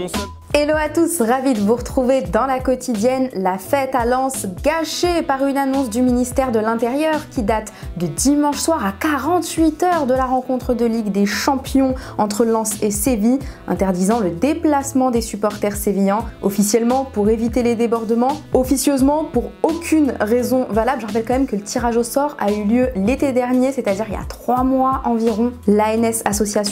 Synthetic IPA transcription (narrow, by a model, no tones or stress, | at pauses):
eloat̪usʁavid̪əvuʁət̪χuved̪ɑ̃lakɔt̪ʰid̪jɛnlafɛt̪alɑ̃sɡaʃepaʁynanɔ̃sd̪yminist̪ɛʁd̪əlɛ̃t̪eʁjœʁkʲid̪at̪ | d̪əd̪imɑ̃ʃswaʁakaʁɑ̃t̪ɥit̪œʁd̪əlaʁɑ̃kɔ̃t̪χəd̪əliɡd̪eʃɑ̃pjɔ̃ɑ̃t̪χəlɑ̃seseviɛ̰̃t̪ɛʁd̪izɑ̃ləd̪eplasmɑ̃d̪esypɔʁt̪ɛʁsevijɛ̃ɔfisjɛlmɑ̃puʁevit̪eled̪ebɔʁd̪əmɑ̃ɔfisjøzmɑ̃puʁokʲʰynʁezɔ̃valablʒəʁapɛlkɑ̃mɛmkələt̪ʰiʁaʒosɔʁa̰yljølet̪ed̪ɛʁnjeset̪ad̪iʁilja̰t̪χwamwaʔɑ̃viʁɔ̃laɛnɛsasɔsjas